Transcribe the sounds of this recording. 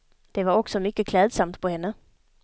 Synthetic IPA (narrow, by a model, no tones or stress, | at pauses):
d̪̥e̝ʋɑ̈ɔɡ̥sɒ̽mykəkʰlɛːðˠsɑm̰d̥̪pʰɒ̽henə